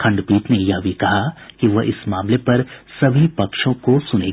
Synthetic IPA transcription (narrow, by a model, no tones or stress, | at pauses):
kʰɐ̃ɳɖpiːt̪nejɐɦbʱikɐɦakiʋɐɦʔɪsmaːmlepɐɾsɐbʱipɐkʃõkosʊneː